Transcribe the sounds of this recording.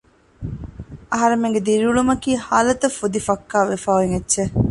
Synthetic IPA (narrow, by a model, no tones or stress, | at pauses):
ɐɦɐɾemeŋɡed̪iɾiuɭumɐkiːhaːlɐt̪ɐfud̪ifɐkːaːʋefaːiŋetːʃe